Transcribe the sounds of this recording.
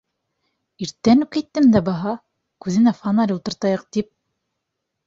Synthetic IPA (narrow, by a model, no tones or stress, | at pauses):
iɾt̪ːænʉkit̪ːɘ̆md̪æbɑɦɑ | kʉðɘ̆næfɑnɑlʲulˠt̪ɤ̆ɾt̪ɑjɤq̚t̪ip̚